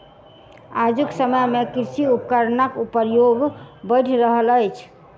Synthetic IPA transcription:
ad͡ʒuksəməjmekiɾsiup̚kəɾnakupəɾjoɡbəɪʈʰɾəɦələjt͡ʃʰ

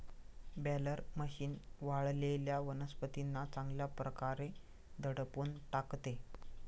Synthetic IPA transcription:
bɛləɾməɕiːnʋaɭleljaʋənəspət̪inːat͡sãŋɡljapɾəkaɾe | d̪ʱəɽəpuːnʈakt̪e

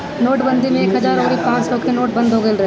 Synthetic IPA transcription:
noːʈbə̃nd̪ʱimẽeːkɦɐzaːɾoːɾipãːt͡ʃsɔkenoːʈbɐ̃nd̪ʱɦoɡelɾɐɦ

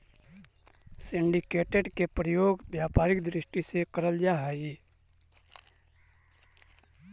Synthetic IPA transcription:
sɪ̃ɳɖikeːʈeɖkepɾəjoːɡbjaːpaːɾɪkd̪ɾɪʃʈisekəɾəld͡ʒaɦɛɡi

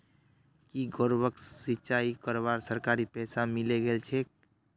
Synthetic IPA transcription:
kiɡoɾbəksɪt͡ʃaːikəɾbaːɾsəɾkaːɾipɛːsamɪleɡelt͡ʃʰe

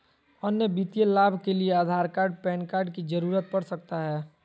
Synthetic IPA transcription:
ɔnːebit̪ijelaːbʱkelieaːd̪ʱaːɾkaːɾɖ̚pɛːnkaːɾɖkid͡ʒəɾuːɾət̪̚pɐɽsɐk̚t̪aɦɛː

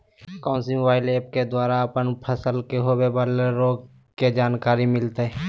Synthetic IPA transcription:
kɔ̃ːnsimʊbaːɪleːp̚ked̪waːɾaəpənpʰəsəlkeɦoːbebaleɾoːɡ | ked͡ʒaːnkaːɾimɪlt̪ɦɛː

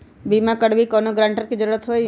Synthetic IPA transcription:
bimãkəɽʋikɔnoɡɾãɳʈəɾkid͡ʒəɾuɾət̪ɦoj

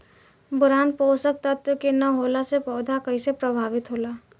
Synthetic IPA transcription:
bʊɾaːnpoːsək̚t̪ət̪jəkenɐɦoːlasepɔːd̪ʱakəisepɾəbʱaːʋɪt̪ɦoːlaː

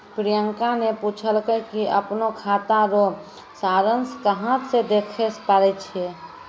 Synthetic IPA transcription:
pɾijəŋkanepuːt͡ʃʰəlkəkiʔəpnokʰaːt̪aɾo | saːɾənskəɦãt̪sed̪eːkʰespaːɾɛt͡ʃʰie

